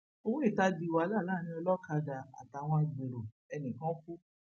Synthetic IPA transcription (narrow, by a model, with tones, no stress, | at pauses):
o˧wũ˦i˦˨ta˧di˧˨wa˧˦la˦˨la˦˨ñĩ˧ɔ˧lɔ˦ka˧da˧˨a̰˨ta˨˧˨w̃ɔ̃˧i˨ɡ͡be˨ɾo˨ | ɛ˧nĩ˨kã˦ku˦